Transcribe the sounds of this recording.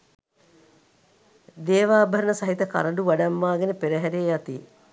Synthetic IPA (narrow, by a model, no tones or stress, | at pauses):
d̪eːʋaːbəɾənəsɐɦit̪əka̰ɾəɳɖuʋaɖamːaːɡenəpeɾəɦæɾeːjat̪i